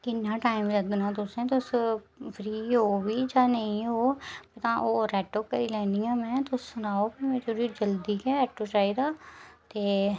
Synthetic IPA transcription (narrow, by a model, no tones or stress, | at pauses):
kɪnːãːʈaːɪmləd̪ɪnãːt̪̬ʊsẽːt̪ʊs | pʰɾiːɦoːʋiːd͡ʒaːnəĩɦoːpət̪ãːʔoːɾɛːʈoːkəɾiːlɛ̃ːnd̪ijãːmɛ̃ːt̪ʊsːʊnaːoːpimɛ̃ːt͡ʃoɾiːd͡ʒəld̪iːkɛːɛːʈːoːt͡ʃaːiːd̪aːt̪eː